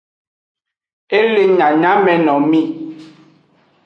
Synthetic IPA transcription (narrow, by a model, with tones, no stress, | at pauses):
e˦le˦ɲa˨ɲa˦mɛ˨nɔ˨mi˦ʔ